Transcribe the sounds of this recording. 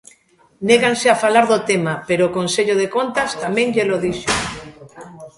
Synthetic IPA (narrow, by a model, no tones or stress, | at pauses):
neɣanseafalaɾðot̪emapeɾoːkonseʎoðekont̪ast̪amẽŋʎeloðiʃo